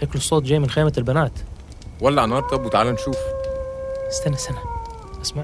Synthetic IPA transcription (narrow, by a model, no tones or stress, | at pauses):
ʔaklosˤːoːt̪ˤd͡ʒæːjmɪnxeːmælbænaːt̪ | wælːæʕanɑɾˤt̪ˤɑbwet̪ʕaːlænʃuːf | st̪ænæsænæ | ʔæsma